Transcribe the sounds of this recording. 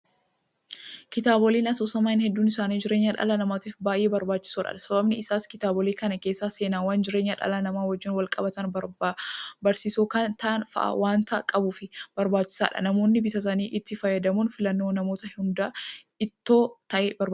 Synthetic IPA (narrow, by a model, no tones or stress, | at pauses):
kɪt̪aːbɔliːnɐsoːsɐmaːɪnhɛd̪ːuːnɪsaːniːd͡ʒɪɾe̞ːɲːɐᶑɐ̰lɐnɐmaːt̪iːfbaːjʔe̞ːbɐɾbaːt͡ʃːɪ̥soːᶑɐ̰ᶑɐsɐbɐbnɪɪsaːskɪt̪aːbɔliːkɐnɐke̞ːsːaːse̞ːnaːwaːnd͡ʒɪɾe̞ːɲːɐᶑɐ̰lɐnɐmaːwɐd͡ʒːɪnwɐlkʼɐbɐt̪ɐn | bɐɾsiːsoːkɐnt̪ɐʔnfɐ̰ʔɐ̰wʔaːnt̪ɐkʼɐbuːfɪb̥ɐɾbaːt͡ʃːɪ̥sa̰ːᶑɐ̰nɐmo̞ːnːɪbɪt̪ɐs̬ɐniːʔɪt̪ːɪfɐjːɐd̪ɐmuːnfɪlɐnːo̞ːnɐmo̞ːt̪ɐhʊnd̪a | ɪt̪ːo̞ːt̪ɐʔebɐɾb